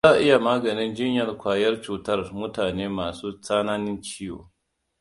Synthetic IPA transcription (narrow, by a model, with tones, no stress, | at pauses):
zaː˦˨ʔɪ˦ja˨maː˦ɡɐ˨nɪ˦nd͡ʒɪ˦ɲjɐ˨rkʷaː˨jɐ˦rt͡ʃuː˨tɐ˦rmʊ˦taː˨neː˦maː˨suː˦saː˦naː˦nɪ˦nt͡ʃiː˦jo̰ː˨